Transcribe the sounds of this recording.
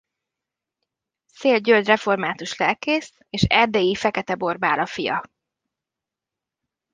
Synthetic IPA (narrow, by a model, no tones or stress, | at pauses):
seːlɟøld̪rɛfo̞rmaːt̪uʃlɛlkeːs | eːʃɛrd̪ɛjifɛkɛt̪ɛbo̞rbaːlɒfijɒ̰